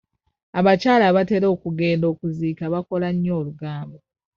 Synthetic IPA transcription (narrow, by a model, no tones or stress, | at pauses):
aβacaːlaβate̞ɾo̞ːkuɡe̞ːndo̞ːkuziːkaβako̞laɲːo̞ːluɡaːmbo